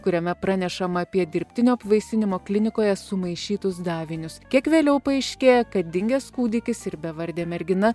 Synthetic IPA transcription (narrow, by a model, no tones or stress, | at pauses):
kʊɾʲɛmʲɛpɾɑːnʲɛʃɐmɐːpʲiɛd̪ʲɪɾʲpʲt̪ʲɪnʲoːɐpʋɐɪsʲɪnʲɪmoːklʲɪnʲɪkoːjɛsʊmɐɪʃʲiːt̪ʊsd̪ɑːʋʲɪnʲʊskʲiɛkʋʲeːlʲɛʊpɐɛɪʃʲkʲeːjɛkɐt̪̚d̪ʲɪŋʲɡʲɛːskuːd̪ʲɪkʲɪsɪɾbʲɛʋɐɾʲd̪ʲeːmʲɛɾʲɡʲɪnɐ